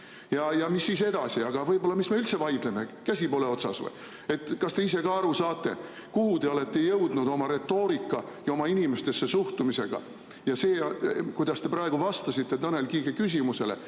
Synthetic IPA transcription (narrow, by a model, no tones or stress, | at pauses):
jɑjɑmisːiːse̞d̪̥ɑsiɑɡ̥ɑvɤjbo̞lːɑmismeylt̪se̞vɑjd̪̥leme̞kæsʲipo̞ːle̞o̞t̪sɑ̰svɤ̰j | e̞t̪ːˑkɑst̪e̞ise̞kɑɑɾusɑːt̪ˑːe̞̰ | kuhud̪e̞o̞le̞t̪ːe̞jɤwd̪̥nud̪o̞mɑɾe̞t̪ːo̞ːɾikːˑɑ | jɑo̞mɑinime̞st̪e̞sːe̞suht̪umise̞̰ɡ̥ɑ̰ | jɑse̞ːkujd̪̥ɑst̪e̞prɑeɡ̥uvɑst̪ɑsit̪ːe̞t̪ɑne̞lkiːɡekys̬ʲimuse̞lḛ